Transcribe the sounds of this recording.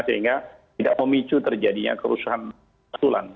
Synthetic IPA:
səiŋɡat̪idaʔməmit͡ʃut̪ərd͡ʒadiɲa̰kəɾusaɦan | sula̰n

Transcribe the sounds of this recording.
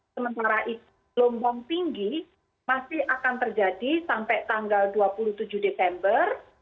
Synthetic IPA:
səmənt̪aɾaʔit̪ | lombaŋt̪iŋɡi | masɪhʔakant̪ərd͡ʒadisampɛʔt̪aŋɡalduapuluht̪ud͡ʒuhdesɛmbər

